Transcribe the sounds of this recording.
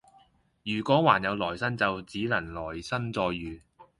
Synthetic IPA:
jyː˨˩kʷɔː˨˥waː˨˩njɐ˨˧wlɔː˨˩jsɐ˥nt͡sɐ˨wt͡siː˨˥lɐ˨˩nlɔː˨˩jsɐ˥nt͡sɔː˧jːyː˨

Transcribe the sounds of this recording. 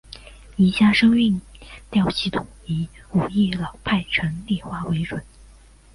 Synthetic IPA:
i˧˥ɕja˥˩ʂɤ˥ŋy˥˩ŋt̪jɑ˥˧ʊɕi˥˧˩t̪ʰʊ˨˩ŋi˧˥u˨˩i˥˩lɑ˨˩ʊpʰa˥˩ɪt͡ɕʰɥɛ˧˥nli˥˧xwa˥we˧˥ɪʈ͡ʂwə˨˩˦n

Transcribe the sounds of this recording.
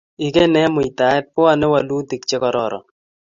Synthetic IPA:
i˨ke˦nɛ˦mʊ˨i˨t̪a˨˦ɛ˦t̚pʊ˦a˨nɛ˦wa˨lu˦t̪i˨k̚t͡ʃɛ˦kɔ˨ɾɔ˨ɾɔ̰˨

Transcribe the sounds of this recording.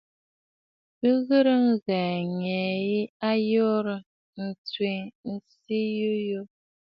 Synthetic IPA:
pə˦ɣə˦ɾə˦ŋzɛː˨ŋɛ˨ji˦a˦jo˦ɾə˨ | n̩˨t͡swi˨ŋn̩˨si˦ju˦jo˦

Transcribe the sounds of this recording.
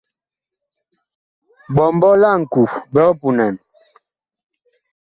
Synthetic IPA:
bɔ˨m˦bɔ˦la˦˨ŋ̩˨ku˨bɛ˦pu˨na˨n

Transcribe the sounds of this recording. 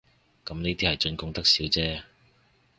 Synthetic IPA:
kɐ˨˥mniː˥t̪iː˥hɐ˨jt͡ʃɵ˧nkʊ˥ŋt̪ɐ˥k̚siː˨˥wt͡sɛː˥

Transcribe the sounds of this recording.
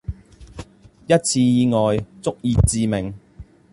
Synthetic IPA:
jɐ˥t̚t͡sʰiː˧jiː˨˧ŋɔː˨jt͡sʊ˥k̚jiː˧t͡siː˨˧mɪ˨˩ŋ

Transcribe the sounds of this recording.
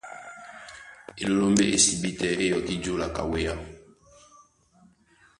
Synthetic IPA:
e˨lo˦lo˦mbḛ˦ʔe˦si˨bi˦tɛ˨ʔe˦jɔ˨ki˦d͡ʒu˦la˨ka̰˨we˦ja˦

